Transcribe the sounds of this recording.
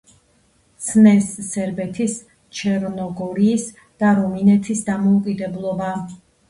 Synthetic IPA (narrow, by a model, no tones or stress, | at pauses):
t̪sʰnɛsːɛɾbɛt̪ʰis | t͡ʃʰɛɾnɔɡɔɾiːs | d̪̥aɾɔminɛt̪ʰisd̪amɔukʼid̪ɛblˠɔba